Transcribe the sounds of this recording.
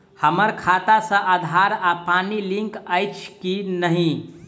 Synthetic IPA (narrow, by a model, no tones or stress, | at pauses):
həməɾkʰat̪asə̃ʔad̪ʱaɾapanilĩŋkəjt͡ʃʰkinəɦĩ